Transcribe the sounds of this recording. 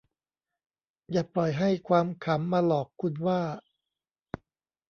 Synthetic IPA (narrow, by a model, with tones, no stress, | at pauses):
jaː˨˩plɔ˨˩jɦa˥˩jkʰwaː˧mkʰa˩˦mːaː˧lɔː˨˩kʰːu˧nwaː˥˩